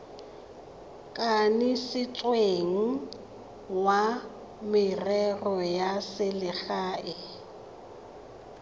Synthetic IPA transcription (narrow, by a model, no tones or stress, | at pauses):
kʼanɪsɪt͡sʼweŋ̩ | wa | mɪrɛrɔjasɪlɪχaːʔɪ